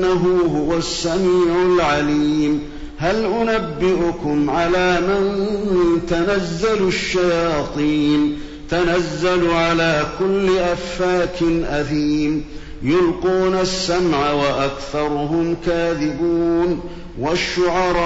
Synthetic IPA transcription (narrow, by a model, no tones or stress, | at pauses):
aɦʊːɦʊwasːamiːʕʊlʕaliːm | ɦalʔʊnabːɪʔʊkʊmʕalaːman | t̪anazːalʃːajɑːt̪ˤiːn | t̪anazːalʕalaːkʊlːɪʔafːaːkɪnʔaθiːm | jʊlquːnasːamʕawaʔakθɑɾˤʊɦʊmkaːðɪbuːn | waʃːʊʕɑɾˤ